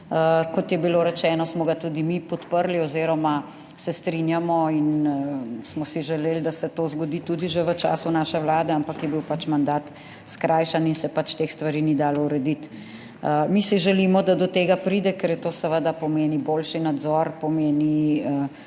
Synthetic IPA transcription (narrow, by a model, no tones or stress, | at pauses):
əkɔt̪jɛbiloːɾɛt͡ʃɛːnɔsmɔɡat̪uːd̪imipɔt̪pəɾlioziːɾɔma | sɛst̪ɾinjamɔin | smɔsiʒɛleːld̪asɛt̪oːzɡɔd̪iːt̪uːd̪iʒeʋət͡ʃa̰ːsunaːʃɛwlaːd̪ɛampakjɛbiwpat͡ʃmand̪aːt̪ | skɾʔaːjʃaninsɛpat͡ʃt̪exst̪ʋaɾiːnid̪aːlɔuɾɛd̪it̪ | əmisiʒɛlimɔd̪ad̪ɔt̪eːɡapɾiːd̪ɛkɛɾjɛt̪oːsɛʋəd̪apɔmeːniboːlʃinad̪zɔɾpɔmeːniə